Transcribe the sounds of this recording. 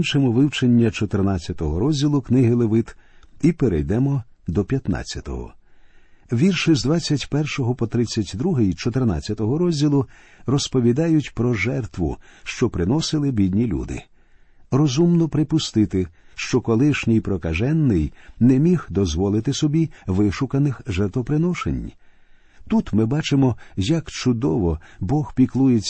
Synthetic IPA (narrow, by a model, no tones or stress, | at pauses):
nt͡ʃemɔʋɪwt͡ʃenʲːɐt͡ʃɔt̪ɪrnat͡sʲːɐt̪ɔɦɔɾɔzʲdʲilˠʊknɪɦɪlˠeʋɪt̪ipeɾɛ̰jd̪ɛmɔd̪ɔpʲjɐt̪nɑ̰t͡sʲːɐt̪ɔ̰ɦɔ̰ | ʋʲirʃɪzd̪ʋat͡sʲːɐtʲpɛrʃɔɦɔpɔt̪ɾɪt͡sʲːɐtʲd̪ɾuɦɪjt͡ʃɔt̪erna̰t͡sʲːɐt̪ɔɦɔɾɔzʲdʲilˠʊ | rɔspɔʋʲid̪ɑjʊtʲpɾɔʒɛrt̪ʋʊ̰ʃt͡ʃɔpɾɪnɔsɪlˠɪbʲid̪ʲnʲilʲṵd̪ɪ̰ | rɔzumnɔpɾɪpʊst̪ɪt̪ɪʃt͡ʃɔkɔlˠɪʃnʲijpɾɔkɐʒɛnːɪjnɛmʲixd̪ɔzʋɔlˠɪt̪ɪsɔbʲiʋɪʃʊkɐnɪxʒɛrt̪ʋɔpɾɪnɔʃḛnʲ | t̪ut̪mɪbɑt͡ʃɪmɔjɐkt͡ʃʊd̪ɔʋɔbɔxpʲiklˠujet͡sʲː